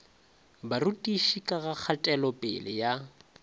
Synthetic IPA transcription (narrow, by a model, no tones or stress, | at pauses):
barutʼiʃikʼaɣak͡xʰatʼɛlɔpʼɪ̰lɪja